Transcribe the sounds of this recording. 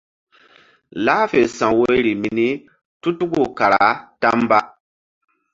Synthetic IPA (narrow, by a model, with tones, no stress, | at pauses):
laː˦fe˨sã˨wo˦ɾi˨mi˦ni˦ | tu˦tu˦ɡu˦˨ka˨ɾa̰˨ta˦mba˦